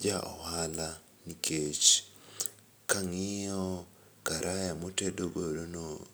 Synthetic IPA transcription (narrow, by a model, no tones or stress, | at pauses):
d͡ʒaʔowala | nikʰet͡ʃi̥ | kaŋio | kaɾʔajamotedoɡoɾono